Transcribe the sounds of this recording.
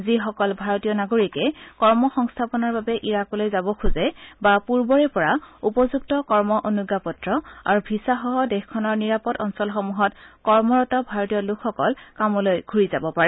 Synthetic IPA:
zixɔkɔlbʱaɹotijɔnaɡoɹikɛkɔɹmɔxɔŋstʰapɔnaɹbabɛʔiɹakɔlojzabɔkʰuzɛbapuɹbɔɹɛpɔɹaupɔzuk̚tɔkɔɹmɔʔonuɡapɔtɹɔa̰ɹubʱisaxɔɦɔdɛxkʰːɔnɔɹniɹapɔtɔnsɔlxɔmuɦɔtkɔɹmɔɹɔtɔbʱaɹɔtijɔlʊkʰxɔkɔlkamɔlojɡʱuɹizabɔpaɹɛ

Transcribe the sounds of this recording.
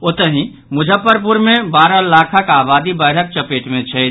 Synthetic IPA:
ot̪əɦĩ | mʊd͡ʒʱəpːəɾp̬uɾmẽbaːɾalaːkʰəkaːbaːd̪ibəɪɾ̤ək̚t͡ʃəpeːʈmẽt͡ʃʰɛ

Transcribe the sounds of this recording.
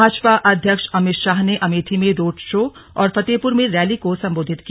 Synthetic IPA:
aːt͡ʃpaʔɐd̪ʱjəkʃɐmɪt̪ʃaːɦneʔɐmiːt̪ʰimẽɾoːʈʰʃoː | ɔːɾpʰɐt̪eːpʊɾmẽɾɛːlikosɐ̃mboːd̪ʱɪt̪ki

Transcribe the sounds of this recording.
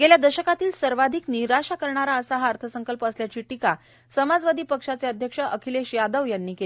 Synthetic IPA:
ɡeljad̪əɕəkat̪iːlsəɾʋad̪ʱikniɾaʂakəɾɳaɾaəsaɦaəɾt̪ʰəsəŋkəlpəəsljat͡ɕiːʈika | səmad͡zʋad̪iːpəkʂat͡seəd̪ʱjəkʂəʔəkʰileɕjad̪əʋjanːiːke

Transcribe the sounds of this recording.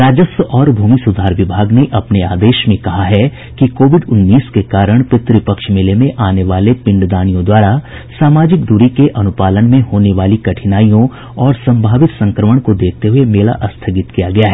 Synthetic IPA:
ɾaːd͡ʒəsʔɔːɾbʱuːmisʊd̪ʱaːɾʋɪbʱaːɡneʔɐpneaːd̪eːʃmẽkɐɦaɦɛ | kikoːʋɪɖʊnːiːskekaːɾəɽ̃pɪt̪ɾipəkʃmelemẽʔaːneʋaːlepɪ̃ɳɖd̪aːnijõd̪waːɾa | saːmaːd͡ʒɪkd̪ʊɾikeʔɐnʊpaːlənmẽɦoːneʋaːlikɐʈʰɪnaːijõ | ɔːɾsɐ̃mbʱaːʋɪt̪sɐ̃ŋkɾəməɽ̃kod̪eːk̚ʰt̪eɦʊemeːla̰ʔɐst̪ʰəɡɪt̪kijaɡɐjaɦɛː

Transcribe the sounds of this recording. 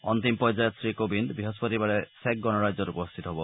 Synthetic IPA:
ɔnt̪impɔd͡ʒajɔt̪sɾikobind̪biɦospɔɾibaɽesek̚ɡɔnɔɾad͡ʒɔɾupɔst̪ʰit̪ɔɦebɔ

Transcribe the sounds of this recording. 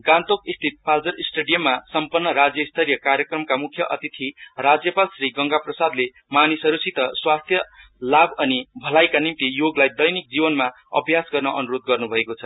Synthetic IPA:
ɡãnt̪okist̪ʰit̪̚pald͡zʌɾisʈeɖijʌmːasʌmpʌnːʌɾad͡zjʌist̪ʰʌɾjʌkaɾjʌkrʌmkamukʰjʌʔʌt̪it̪ʰirad͡zjʌpalsriɡʌŋɡaprʌsad̪le | manisʌɾusit̪ʌswast̪ʰjʌ | labʱʌnibʱʌlajkanimt̪ijoɡlajd̪ʌjnik̚d͡zibʌnma | ʌ̰bʱjasɡʌrnʌʔʌnuɾod̪̚ɡʌrnubʱʌekot͡sʰʌ

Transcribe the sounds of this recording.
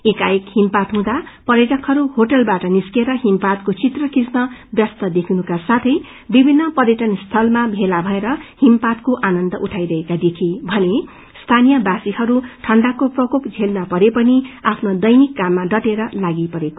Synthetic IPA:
ekajekhimpat̪ɦũd̪apʌɾed͡zʌkʰhʌɾuhoʈʌlbaʈʌniskeɾʌɦimpat̪kot͡sit̪rʌkisnʌbjʌst̪ʌd̪ekʰinukasat̪ʰʌj | bibʱinːʌpʌɾjeʈʌnst̪ʰʌlmabʱelabʱʌeɾʌhimpat̪koʔanʌnd̪ʌʔuʈʰajɾʌɦekad̪ekʰibʱʌne | st̪ʰanijʌbasihʌɾuʈʰʌɳɖakoprʌkopd͡zʱelnʌpʌɾepʌniapʰnod̪ʌjnikːamːaɖʌʈeɾʌlaɡipʌɾeko

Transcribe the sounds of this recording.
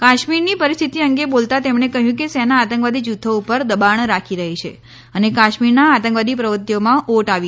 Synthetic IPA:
kaʃmiɾnipəɾist̪ʰit̪iəŋɡebolt̪at̪emɳekəɦjũkesɛnaːt̪ə̃ŋkʋad̪id͡ʒut̪ʰːoupəɾd̪əbaɳɾakʰiɾəɦit͡ʃʰḛ | ənekaʃmiɾnaːt̪ə̃ŋkʋad̪ipɾəʋət̪jomãʔoʈaʋi

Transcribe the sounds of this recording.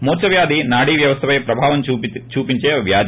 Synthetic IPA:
muːt͡ʃɐʋjaːd̪ʱinaːɽiːʋjɐʋɐst̪ʰɐpɐjpɾɐbʱaːʋɐmt͡ʃuːpiɲt͡ʃeːʋjaːd̪ʱi

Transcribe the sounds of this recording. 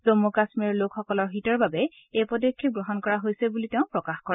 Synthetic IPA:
zomukasmiɹlokxɔkɔlɔɹɦitɔɹbabɛ | ejpɔdɔkʰːiɡɹɔɦɔnkɔɹaɦojsɛbuliteʊ̃pɹɔkaxkɔɹɛ

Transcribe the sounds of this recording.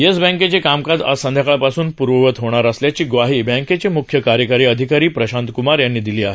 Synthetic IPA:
jəsbə̃ŋket͡ɕekamkad͡z̪a̰sənd̪ʱjakɭapasuːnpuɾʋəʋət̪ɦoɽ̃aɾəsljat͡ɕiːɡʋaɦiːbɛ̃ŋket͡ɕemukʰjəkaɾjəkaɾiːəd̪ʱikaɾiːpɾəɕãnt̪kumaɾjanːiːd̪iliːaɦe

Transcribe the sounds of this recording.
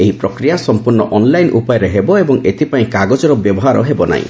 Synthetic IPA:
eɦipɾɔkɾijasɔmpuɾnɔʔɔnlajnʔṵpajɔɾeɦebɔebɔŋet̪ʰipaĩkaɡɔd͡ʒɔɾɔbjɔbɔɦaɾɔ̰ɦebɔna̰ḭ̃

